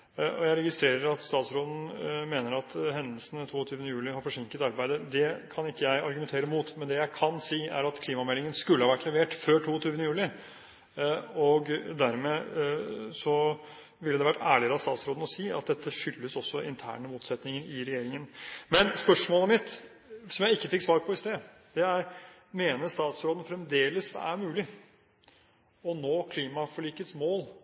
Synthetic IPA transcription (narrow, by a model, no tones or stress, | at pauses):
ʔɔ̰jæɪɾɛɡɪst̪ɾeːɾəɾɑt̪st̪ɑːt̪sɾoːd̪ən̩meːnəɾɑt̪hɛnd̪əlsənət̪ʰuːɔt̪ʰyːʋənəjʉːlɪhɑɾfɔʂɪŋkət̪ɑɾbæɪd̪əd̪ɛkʰɑnɪkːəjæɪɑɾɡʉmɛnt̪ʰeːɾəmuːt̪mɛnd̪ɛjæɪkʰɑnsiːæ̰ɾɑt̪kʰliːmɑmɛlːɪŋənskʉlːəhɑʋæʈːlɛʋeːʈføːʈʰuːt̪ʰyːʋənəjʉːlɪ | ɔɡd̪æɾmɛ | sɔ | ʋɪləd̪ɛʋæʈːæːɭɪəɾɑst̪ɑːt̪sɾoːd̪n̩ɔsiːɑ̰t̪̚d̪ɛt̪ːəʂʏlːəsɔsːɔɪ̰nt̪ʰæ̰ːɳəmuːt̪sɛt̪nɪŋəɾɪɾɛjeːɾɪŋənmɛnspœʂmoːləmɪt̪ | sɔmjæɪɪkːəfɪkːsʋɑːɾpʰɔɪst̪eː | d̪̥ɛæɾ | meːnəɾst̪ɑːt̪sɾoːd̪ən̩fɾɛmd̪eːləsæ̰ɾmʉːlɪ | ɔnoːkʰliːmɑfɔɭiːkːət̪smoːl